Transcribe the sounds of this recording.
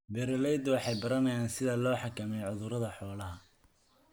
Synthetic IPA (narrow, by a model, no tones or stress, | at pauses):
bɛɾɛlɛjd̪ɔwɑħɑjbɐɾɐnɐjaːnsɪðɐlɔːħɑkʰɐmɛjʕʊðʊɾɐðɐħɔːlɐɦɐ